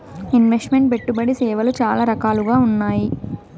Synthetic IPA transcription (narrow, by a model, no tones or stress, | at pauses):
inʋesʈme̞ɳʈ̚be̞ʈːubɐɽisɛːʋɐlut͡ʃaːlaːɾɐkaːluɡaːunːaːji